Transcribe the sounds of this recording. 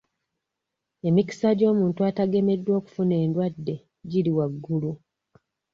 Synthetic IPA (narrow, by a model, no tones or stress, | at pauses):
e̞miki̥saɟo̞ːmuːntuataɡe̞me̞dːwo̞ːku̥fune̞ːndwadːe̞ | ɟiliwaɡːulu